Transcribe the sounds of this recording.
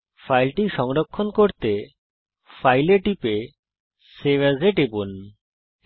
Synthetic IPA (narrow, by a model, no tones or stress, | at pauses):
fʰajlʈiʃɔŋɾokʰːonkoɾt̪e | fʰajleʈipe | seʋazeʈebon